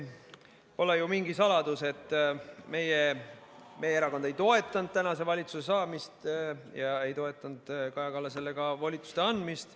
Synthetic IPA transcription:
po̞lejumiŋɡ̥isɑlɑd̪̥use̞t̪ːˑme̞je | me̞jeeɾɑko̞nd̪e̞jt̪o̞e̞t̪ːˑɑnd̪̥̚t̪ænɑse̞vɑlʲit̪suse̞sɑːmist̪jɑe̞jt̪o̞e̞t̪ːˑɑnd̪̥kɑjɑkɑlːɑse̞lːe̞ɡ̥ɑvɑlʲit̪su̥st̪e̞ɑnd̪mist̪

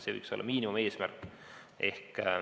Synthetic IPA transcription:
seɯ̰jkso̞lːɑ̰miːnimume̞ːsmærkː | ʔe̞hk

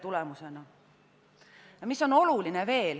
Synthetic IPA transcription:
t̪ulɛmuse̞nɑ | jɑmisːo̞no̞luline̞ve̞ːl

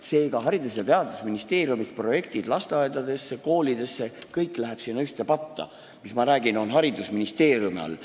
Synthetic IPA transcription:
se̞ːɡ̥ɑɦɑɾid̪̥usjɑt̪e̞ɑd̪usminist̪e̞ːɾjumispro̞je̞kt̪id̪lɑst̪eɑed̪̥ɑd̪̥e̞sːeko̞ːlid̪̥e̞sːe̞kɤjkːˑlæɦeb̥siːnːɑyht̪e̞pɑt̪ːɑ̰ | mismɑɾæːɡ̥ino̞nɦɑɾid̪usminist̪eːɾjumiɑ̰l

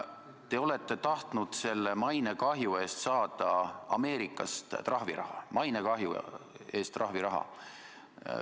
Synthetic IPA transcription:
t̪e̞o̞le̞t̪ːˑe̞t̪ɑht̪nud̪̥se̞lːemɑjnekɑɦjue̞ːst̪sɑːd̪̥ɑɑ̰me̞ːɾikːˑɑ̰st̪t̪rɑhviɾɑ̰hɑ̰mɑjnekɑɦju | e̞ːst̪ːrʔɑɦviɾɑɦɑ̰

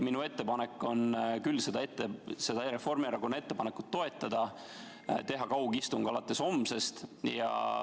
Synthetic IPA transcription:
minue̞t̪ːe̞pɑne̞kˑːo̞nkylːse̞d̪ɑe̞t̪ːˑesed̪ɑeɾefo̞rmiɑɾɑkonːɑe̞t̪ːˑepɑne̞kːˑut̪ːo̞e̞t̪ːˑɑd̪̥ɑ | t̪e̞ɦɑkɑwɡist̪uŋɡ̥ɑlɑt̪ːˑe̞so̞mse̞st̪jɑ̰

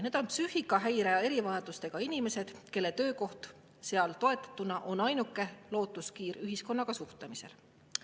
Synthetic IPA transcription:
neːd̪̥o̞npsyhikːˑɑɦæjɾeɑe̞ɾivɑjɑd̪̥ust̪e̞ɡ̥ɑinime̞se̞d̪̥ke̞lːe̞t̪ø̞ːko̞ht̪ | se̞ɑlt̪o̞e̞t̪ːˑɑ̥t̪ːˑunɑʔo̞nɑjnukːˑe̞lo̞ːt̪ːˑuskiːryɦisko̞nːɑɡ̥ɑsuht̪emise̞̰l

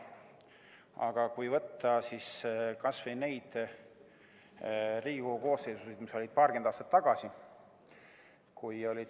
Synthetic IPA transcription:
ɑ̰ɡ̥ɑkujvɤt̪ːˑɑsiskɑsvejne̞jd̪̥ | riːɡikoko̞ːsːeːsusejd̪miso̞lʲid̪̥̚pɑːrkend̪ɑːst̪ɑt̪ːɑɡ̥ɑsi | kujo̞lʲid̪

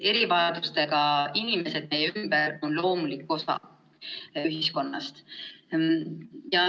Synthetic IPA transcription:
e̞ɾivɑɑd̪̥ust̪e̞ɡ̥ɑinime̞se̞d̪̥̚me̞jeymb̥əɾo̞nlo̞ːmulikːo̞sɑ̰ | yɦisko̞nːɑ̰st̪ | jɑ

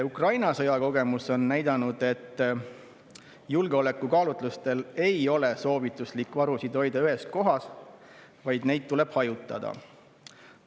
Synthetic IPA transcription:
ukrɑjnɑsɤjɑko̞ɡ̥e̞muso̞nːæjd̪ɑnud̪̥e̞t̪ː | julɡ̥eo̞le̞kːˑukɑːlut̪ˑlust̪e̞le̞jo̞le̞so̞ːvit̪ːˑuslikːˑvɑɾusid̪̥o̞jd̪̥ɑyɦe̞s̚ko̞ɦɑs | vɑjd̪̥ne̞jd̪̚t̪ːule̞b̥hɑjut̪ːˑɑ̰d̪̥ɑ̰

